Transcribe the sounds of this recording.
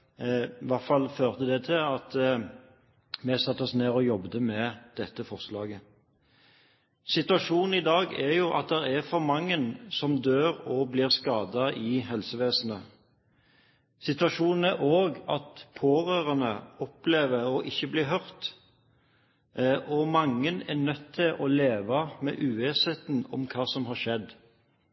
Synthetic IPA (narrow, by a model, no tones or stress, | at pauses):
ʋɑʁtfɑlføːʁt̪əd̪ɛt̪ʰɪlɑt̪ | mɪsɑt̪ːɔsneːʁɔjɔbd̪əmɛd̪̥ɛt̪ːəfɔʁslɑːɡə | sɪt̪ʉɑʃuːnn̩ɪd̪ɑːɡɛʁjʊʔɑ̰t̪̚d̪ɛʁæfɔʁmɑŋːənsɔmd̪øːʁɔblɪːʁskɑːd̪ɑɪɦɛlsəʋeːsənə | sɪt̪ʋɑʃuːnn̩æʔoːɡɑt̪pʰoːʁøːʁɑnəɔpleːʋəʁɔʔɪçːəbliːɦœʁt̪ | ɔmɑŋːənɛnœt̪ʰːɪlʔɔleːʋɑmɛ̰ʔʉːʋeːshɛːt̪nɔ̰mkʰɑːsɔmɦɑɾʃɛd̪